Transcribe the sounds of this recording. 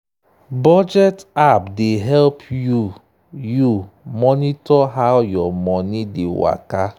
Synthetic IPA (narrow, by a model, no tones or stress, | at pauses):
bɔd͡ʒɛtapdeɦɛlpʰju | jumɔnitɔɦaʊjɔmɔnidewa̰ka